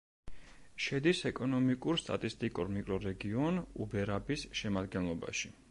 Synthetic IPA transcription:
ʃɛd̪isɛkʼɔnɔmikʼuɾst̪ʼa̰t̪ʼist̪ʼikʼuɾmikʼɾɔɾɛɡiɔnṵbɛɾabisʃɛmad̪ɡɛnlˠɔba̰ʃi

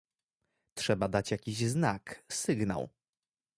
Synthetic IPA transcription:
tʂɛbad̪at͡ɕjakʲiʑznaksɘɡna̰w

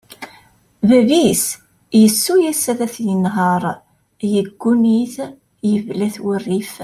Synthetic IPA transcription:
vævis | jəsːujæsæðæθjənɦəɾˤ | jəɡːuniθ | jəvlæθwərːif

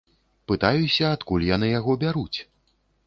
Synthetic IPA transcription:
pɨt̪ajusʲɐat̪kulʲjanɨjaɣɔbʲaɾut͡sʲ

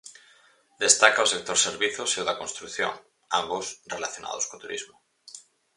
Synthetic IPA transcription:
d̪est̪akaosek̚t̪oɾseɾβiθoseoðakonst̪ɾukθjo̰ŋ | ambosrelaθjona̰ð̞oskot̪uɾḭzmo

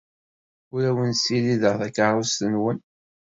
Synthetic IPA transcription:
ʊɾæwənsiliðəʁθækːaɾˤʊst̪ənwən

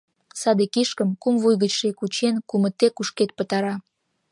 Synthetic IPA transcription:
sɑd̪ekiʃkəmkumvujɣət͡ɕʃekut͡ɕenkumət̪ekuʃket̪̚pət̪ɑɾɑ

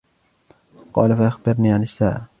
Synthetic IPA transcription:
qɑ̰ːlafaʔaxbɪɾniːʕanɪʃaːʔ

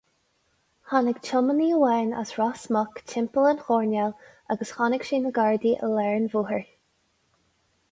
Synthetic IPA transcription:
hanəɡt͡ʃʰəməniəwɛːna̰sɹasmɔkt͡ʃʰɪmpələnxɔːɹnjalʔaɡəsxanɪɡʃiːməɡaɹd̪iʔə̰lɛɹnvuːhəɹ

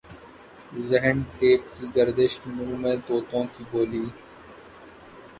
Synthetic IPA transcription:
zɛɦənʈ̪eːp̚kiːɡəɾd̪ɪʃmũːmẽːt̪oːt̪õːkiboːliː

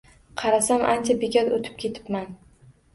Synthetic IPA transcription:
qʰɑɾasamʔant͡ʃʰabeɡʲat̪ot̪ʰɪ̥p̚kʲʰe̞t̪ʰɪ̥pman

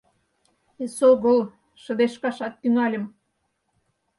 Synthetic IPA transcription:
esoɣɤ̆l | ʃə̆d̪eʃkɑʃɑt̪ːyŋɑlʲə̆m

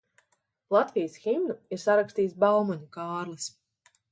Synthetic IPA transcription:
lˠat̪vijəsximnuiɾsaɾakst̪iːjsbawmɔɲʲukaːɾlˠɨs

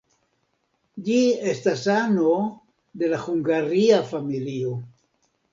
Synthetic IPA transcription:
d͡ʒiestasano | d̪e̞lahuŋɡaɾiafamilio̞

